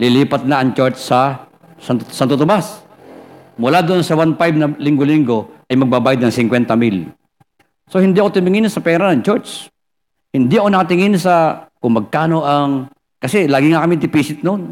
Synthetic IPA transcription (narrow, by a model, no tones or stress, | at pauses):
lɪliːpɐt̪̚naʔɐŋt͡ʃɛɹt͡ʃːɐ | sansant̪ot̪ʊmbas | mʊlad̪oʔonsɐwanpajb̚nɐliŋɡoliŋɡoʔɐjmɐɡ̚babaːjɐd̪nɐŋsɪŋkwɛnt̪ɐmil | sohɪnd̪ɪɐkot̪ʊmɪŋɪnsɐpɛːɾɐnɐŋt͡ʃɛɹt͡ʃs | hɪnd̪ɪʔɐkonɐkɐt̪ɪŋɪnsɐkʊŋmɐɡ̚kaːno̞ʔɐŋ | kɐsɛlaːɡɪŋakɐmɪd̪ɪpiːsɪt̪̚non